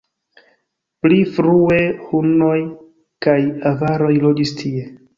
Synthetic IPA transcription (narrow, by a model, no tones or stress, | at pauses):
plifɾue̞huno̞j | kajavaɾo̞jlo̞d͡ʒistʰie̞